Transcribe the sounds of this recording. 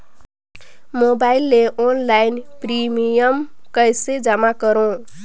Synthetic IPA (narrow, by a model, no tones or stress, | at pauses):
mobajlːeʔonlajnprimijʌmkʌjsed͡zamakʌɾõ